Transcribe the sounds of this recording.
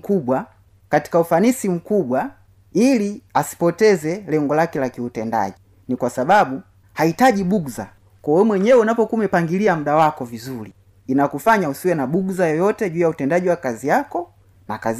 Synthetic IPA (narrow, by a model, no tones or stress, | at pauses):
kuɓwa | kati̥kaufanisim̩kuɓwa | iliasi̥pɔtɛzɛlɛŋɡɔlakɛlakiutɛnda̰ʄi | nikwasaɓaɓu | haitaʄiɓuɡza̰ | kɔwɛmwɛɲɛwɛunapɔkumɛpaŋɡiliamuɗawakɔvizuliː | nakufaɲausiwɛnaɓuɡzajɔjɔtɛʄuːjautɛndaʄiwakazijakɔ | nakaz